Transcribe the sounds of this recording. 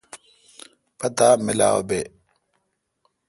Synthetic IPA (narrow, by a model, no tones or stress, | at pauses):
pɐt̪amɪla̰ːo̰be